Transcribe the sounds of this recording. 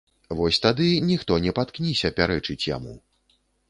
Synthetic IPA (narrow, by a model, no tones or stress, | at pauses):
vɔsʲt̪ad̪ɨnʲixt̪ɔnʲɛpat̪knʲisʲɐpʲaɾɛt͡ʂɨt͡sʲja̰mṵ